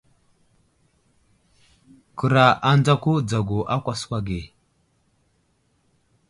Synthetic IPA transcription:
kə˨ɾa˨ʔa˦nd͡za˦ku˦d͡za˨ɡo˨ʔa˦kʷa˨swa˨ɡe˨

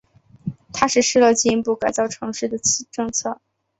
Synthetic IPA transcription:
t̪ʰa˥ʂɻ̩˥˧ʂɻ̩˥˧lɤ˥˧t͡ɕi˥˧i˥˧pu˥˩ka˨˩ɪt͡sɑ˥˩ʊʈ͡ʂʰɤ˧˥ŋʂɻ̩˥˩d̪ə˩t͡ɕʈ͡ʂɤ˥˧ŋt͡sʰɤ˥˩

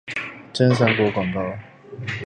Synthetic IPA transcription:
ʈ͡ʂə˥nsa˧˥ŋkwɔ˧˥kwa˨˩ŋkɑ˥˩ʊ

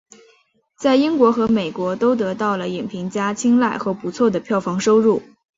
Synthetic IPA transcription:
t͡sa˥˩ɪi˥ŋkwɔ˧˥xɤ˧˥me˨˩ɪkwɔ˧˥t̪o˥ʊt̪̬ɤ˧˥t̪ɑ˥˩ʊlə˩i˨˩ŋpʰi˧˥ŋt͡ɕja˥t͡ɕʰi˥ŋla˥˩ɪxɤ˧˥pu˧˥t͡sʰwɔ˥˩d̪ə˩pʰjɑ˥˩ʊfɑ˧˥ŋʂo˥ʊɻu˥˩

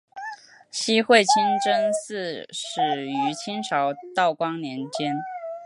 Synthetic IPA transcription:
ɕi˥xwe˥˩ɪt͡ɕʰi˥nʈ͡ʂə˥nsɹ̩˥˩ʂɻ̩˨˩y˧˥t͡ɕʰi˥nʂʰɑ˧˥ʊt̪ɑ˥˩ʊkwɑ˥ŋnjɛ˧˥nt͡ɕjɛ˥n

